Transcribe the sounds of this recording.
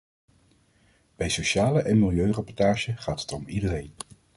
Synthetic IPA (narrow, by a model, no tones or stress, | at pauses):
b̥ɛjsowʃaːləʔɛnmɪlˠjøɥrapɔɹtaːʒəχaːtɦə̥tɔmidərejn